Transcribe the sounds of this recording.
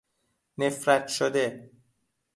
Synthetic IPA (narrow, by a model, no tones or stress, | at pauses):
ne̞fɾæt̪ʰʃod̪e